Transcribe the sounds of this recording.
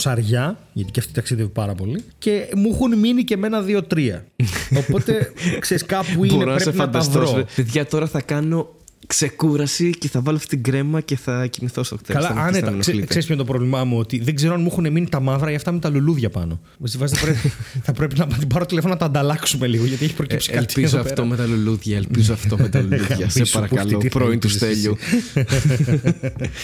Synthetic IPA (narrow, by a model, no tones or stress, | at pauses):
sɐɾʝɐʝɐt̪i̥ceɐft̪it̪it̪ːɐksiðevipɐɾɐpo̞lice̞muxunminice̞me̞nɐðio̞t̪ɾiɐ̰opo̞t̪e̞kse̞ɾiskɐpuiboneɾoɾesepinfɐnd̪ɐɐvɾoospeðʝɐt̪o̞ɾɐθɐkɐno̞ | kse̞kuɾɐsice̞θɐvɐloɐft̪it̪iɡɾe̞mɐce̞θɐcimiθost̪okt̪eɐlɐɐneɐnsseɾspçont̪opɾo̞vlimɐmuo̞t̪iðeɡze̞ɾoɐnmuxuneminit̪ɐmɐðɾɐiɐft̪ɐmet̪ɐluluðʝɐpɐ̰no̞ | mest̪ivɐziθɐɐpɾepθɐpɾe̞pinɐpɐt̪ibɐɾot̪ilefo̞nonɐt̪ɐːnd̪ɐlɐksume̞liɣoʝɐt̪ieçipɾocipsi̥ɐlizoɐft̪omet̪ɐluluðʝɐelpizoɐft̪omet̪ɐluʝɐsɐɾɐɐloiɾoint̪usθeʎu